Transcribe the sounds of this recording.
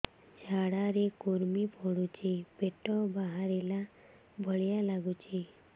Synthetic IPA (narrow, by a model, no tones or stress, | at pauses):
d͡ʒʱaɽaɾekoɾmipɔɽut͡ʃʰebeʈɔbaɦaɾela | bʱəɭjalaɡut͡ʃʰe